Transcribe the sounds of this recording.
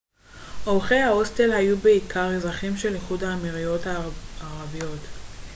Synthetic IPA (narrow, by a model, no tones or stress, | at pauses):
ʔolχejhaostelɦajube̞ikʰaʁezʁaχimʃe̞liχudaːmiʁijo̞thaaʁavijo̞t